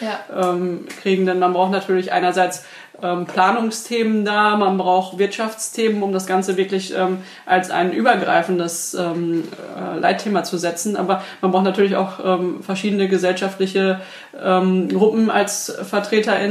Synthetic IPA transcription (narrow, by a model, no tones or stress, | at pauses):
ʔɛːmkʁ̥iːɡŋ̩dɛnmanbʁaʊxnatʰyːɐlɪçʔa̰ɪnɐzaɪt͡s | ʔɛːmpl̥aːnʊŋstʰeːməndaːmanbʁaʊxv̥ɪɐtʃaft͡stʰeːmənʊmdasɡ̥ant͡səvɪɐklɪçʔɛːm | ʔalsʔa̰ɪnʔyːbɐɡʁa̰ɪfn̩dəsʔɛːmɛ̰ːlʔa̰ɪtʰːeːmat͡suzɛt͡sn̩ʔa̰ːbɐmanbʁaʊtnatʰyːɐlɪça̰ʊxʔɛːmfɛɐʃiːdn̩əɡəzɛlʃaftlɪçə | ʔɛːmɡʁʊpm̩a̰lsfɛɐtʁ̥eːtɐʔɪ